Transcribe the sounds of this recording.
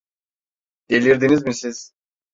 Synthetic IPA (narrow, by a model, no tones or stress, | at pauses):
d̪̥elʲiɾd̪inizmisiz̥